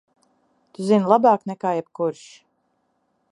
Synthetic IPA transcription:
t̪uzinlˠabaːknɛkaːjɛb̥kuɾʃ

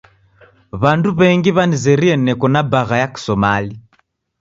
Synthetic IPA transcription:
βanduβɛŋɡiβanizɛɾiɛnɛkɔnabaɣajaki̥sɔmali

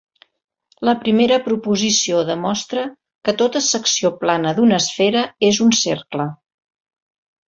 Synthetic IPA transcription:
ləpɾimeɾəpɾupuzisioðəmɔst̪ɾə | kət̪ot̪əsəksioplanəðunəsfeɾəezunserklə

